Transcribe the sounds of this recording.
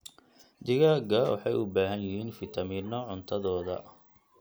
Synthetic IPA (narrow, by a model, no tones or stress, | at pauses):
d̪ɪɣaːɡɐwɑ̰ħɑjʊbaːɦɐnjɪhiːnfɪt̪ʰɐmiːnːɔʕʊnt̪ʰɐðɔːðɐ̰